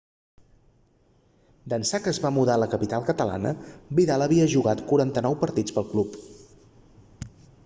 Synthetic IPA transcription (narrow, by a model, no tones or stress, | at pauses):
d̪ənsakəːzβamuðaləkəpit̪alˠkət̪əla̰nə̰biðalˠəβiəʒuɣat̪kuɾant̪ənɔwpəɾt̪id͡zpəlˠklup